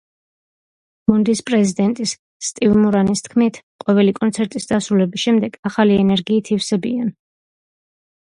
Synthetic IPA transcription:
mund̪ispʼɾɛzid̪ɛnt̪ʼisː | t̪ʼivmuɾanist̪ʰkʰmit̪ʰqʼɔvɛlikʼɔnt̪sʰɛɾt̪ʼisd̪asɾulɛbisʃɛmd̪ɛɡaχaliɛnɛɾɡiːt̪ʰifsɛbian

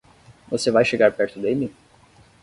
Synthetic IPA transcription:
vosevajʃeɡaɾpɛɾt̪ʊd̪elʲi

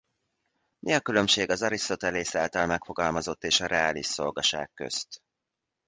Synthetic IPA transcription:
mʔiɒkylø̞mʃeːɡɒzɒɾist̪o̞t̪ɛleːsaːlt̪ɒlmɛkfo̞ɡɒlmɒzo̞t̪ːeːʃɒɾɛaːliʃso̞lɡɒʃa̰ːkːø̰st̪

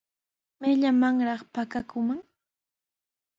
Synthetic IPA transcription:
mɪʎamaŋɾɑχpakakʊmaŋ

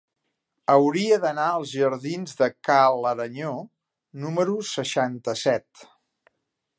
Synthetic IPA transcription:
əwɾiəðənaəlˠzʒəɾðinzðəkaləɾəɲo | numəɾusəʃant̪əsɛt̪

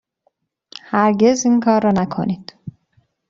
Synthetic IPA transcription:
hæɾɟe̞ziːŋkʰɒːɾːɒːnækʰo̞̰niːd̪̥

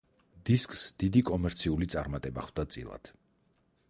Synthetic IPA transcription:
d̪iskʼsd̪̥id̪ikʼɔmɛɾt̪sʰiulit̪sʼaɾmat̪ʼɛba̰χwd̪at̪sʼḭlˠa̰d̪̥

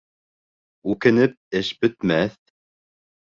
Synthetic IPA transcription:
ʉkɘ̆nɘp̚ɘʃbɵ̆t̪mæθ

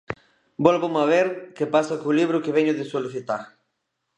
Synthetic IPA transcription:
bɔlβʊmaβeɾkepasakʊliβɾʊkɪβɛɲʊðɪsoluθit̪aɾ

